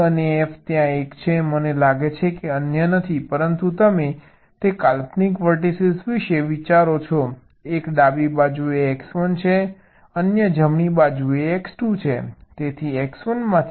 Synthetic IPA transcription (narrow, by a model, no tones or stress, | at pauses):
əneeft̪jãekt͡ʃʰemənelaɡet͡ʃʰekeənjənət̪ʰipəɾənt̪ut̪əme | t̪ekalpnikʋəɾʈ̬isisʋiʃeʋit͡ʃaɾot͡ʃʰɔ | ekɖabibad͡ʒueːksʋənt͡ʃʰe | ənjəd͡ʒəmɳibad͡ʒueːksʈut͡ʃʰet̪et̪ʰieksʋənmãt̪ʰ